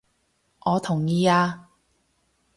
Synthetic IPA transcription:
ʔɔː˨˧t̪ʰʊ˨˩ŋjiː˨˧aː˧

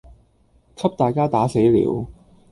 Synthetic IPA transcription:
kʰɐ˥p̚t̪aː˨jkaː˥t̪aː˨˥se˨˥jlḭː˨˧˥w

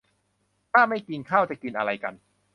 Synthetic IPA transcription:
t̪ʰaː˥˩ma˥˩jki˧ŋkʰaː˥˩wt͡ɕa˨˩kɯ˧nʔa̰˧ɾa˧jka̰˧n

